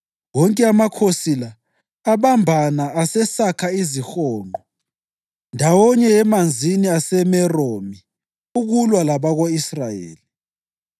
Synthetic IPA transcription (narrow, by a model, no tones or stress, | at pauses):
wɔŋkʼɛamakʰosilaː | βambʱanaːsɛsakʰaizixɔːŋʱɔ | ndʱawɔɲɛɛmand͡zʱiniasɛmɛromi | uɣulwalaβaɣoisrajḛːli